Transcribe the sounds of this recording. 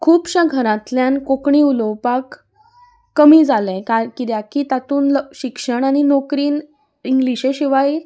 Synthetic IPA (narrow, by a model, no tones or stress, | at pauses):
kʰuːpɕə̃ɡʱəɾãt̪ljãnkokɳiulowpakː | əmiːd͡zalɛ̃kaɾkit̪jakiːt̪at̪uːnlɕikʂəɳaninokɾiːn | iŋɡliɕeɕiʋail